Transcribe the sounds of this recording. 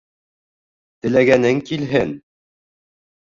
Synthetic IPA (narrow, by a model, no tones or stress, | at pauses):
t̪ɘ̆læɡænɘŋkilɦɘn